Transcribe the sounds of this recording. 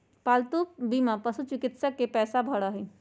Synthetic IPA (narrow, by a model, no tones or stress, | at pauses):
paːlt̪uːk̚bimapəsut͡ʃɪkɪt̪səkːepɛːsabʱəɽaɦe